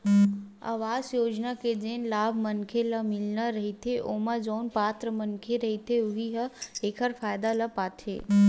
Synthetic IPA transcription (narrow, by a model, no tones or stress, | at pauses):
a̰ːʋaːzjoːd͡ʒnaked͡ʒeːnlaːbʱmənkʰeləmɪlnaɾəɦit̪ʰeʔomad͡ʒoːnpaːt̪ɾəmənkʰeɾəɦit̪ʰeʊɦiɦəeːkʰəɾfaːjd̪aləpaːt̪ʰḛː